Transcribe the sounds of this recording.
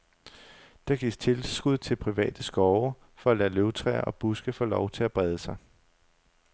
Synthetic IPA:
d̥ɑ̈ɡ̥ḭ̥ːt͡sʰe̝lsɡ̥uð̞̰ˠt͡sʰe̝lpʰʁiʋɛ̰ːd̥əsɡ̥ɒʊɐ | fɒ̽ælæløʊt͡sʰʁɛ̰ːɐʔɒ̽b̥usɡ̥əfɔ̰ːlɒʊt͡sʰe̝læb̥ʁɛð̞ˠəsɑ̈ɪ

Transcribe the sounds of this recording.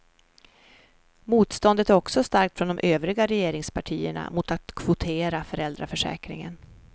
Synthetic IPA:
muːt̪st̪ɔnd̪ət̪æɾɔksɔst̪aɾk̚t̪fɾɔnd̪ɔmʔøːvɾɪɡaɾɛjeːɾɪŋspʰaʈʰiːə̰ɳa̰mʊt̪at̪kʰvʊt̪ʰeːɾafœɾɛld̪ɾafœʂɛ̰ːkɾɪ̰ŋə̰n

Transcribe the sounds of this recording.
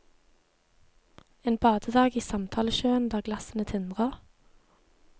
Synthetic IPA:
eːnbɑːd̪̥əd̪ɑːɡiːsɑmt̪ʰɑːləʃøːənd̪æːʁɡlɑsənət̪ʰɪnd̪ʁəʁ

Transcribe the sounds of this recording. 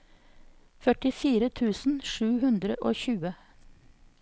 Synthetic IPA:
fœʈɪfiːɾət̪ʰʉːsn̩ʃʉːhʉnd̪ɾəʔoːçʉːə

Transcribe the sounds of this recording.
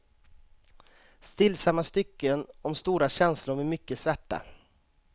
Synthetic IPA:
st̪ɪlːsamːast̪ʏkːənɔmst̪uːɾaɕɛnslʊɾmɛːmʏkːəsvæʈːa̰

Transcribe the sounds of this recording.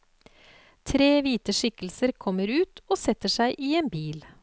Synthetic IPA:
t̪ʰɾeːʋiːt̪əʂɪkl̩səɾkʰɔmːəɾʉːt̪oːsɛt̪ːəʂæɪʔiːeːnbiːl

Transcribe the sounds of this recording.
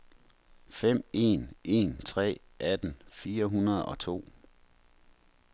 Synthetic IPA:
fem̰e̝̰nʔe̝̰nt͡sʰʁɛ̰ː | ʔæd̥n̩fiːɐɦunɐð̞ˠɒ̽t͡sʰo̝̰ː

